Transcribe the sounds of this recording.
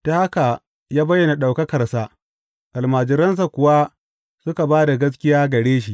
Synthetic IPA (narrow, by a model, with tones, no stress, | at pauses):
ta˦ha˦ka˨ | jaː˦bɐ˦jːɐ˨na˨ɗa˨wkɐ˦kɐ˨rsa˦ | ʔa˨lmaː˨d͡ʒɪ˨ɾɐ˦ns̬a˨kʷʊ˨wa˦ | sʊ˦ka˨baː˦da˨ɡɐ˦s̬kʲɪ˦jaː˦ɡɐ˨ɽeː˦ʃ̬i˦ʔ